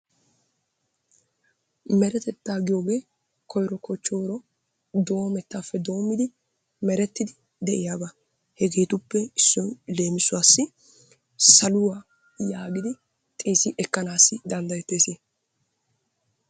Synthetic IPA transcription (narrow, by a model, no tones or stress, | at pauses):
mɛɾɛt̪ɛt̪ːaːɡɪjo̞ːɡe̞ː | kɔjɾɔkɔt͡ʃːo̞ːɾɔ | d̪o̞ːmɛt̪ːaːfːɛd̪o̞ːmːɪd̪ɪ | mɛɾɛt̪ːɪd̪ɪ | d̪ɛʔɪjaːba | hɛɡe̞ːt̪ʊpːɛɪsːɔjle̞ːmɪsʊwaːsːɪ | sɐlʊwaː | jaːɡɪd̪ɪ | t̪ʼeːsɪʔɛkːɐnaːsːɪd̪ɐnd̪ɐjɛt̪ːeːseː